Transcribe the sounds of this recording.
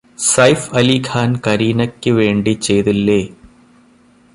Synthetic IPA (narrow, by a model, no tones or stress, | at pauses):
sɐjfɐlikʰaːnkɐɾiːnɐkʲːɨʋe̞ːɳɖit͡ɕe̞jt̪ilːeː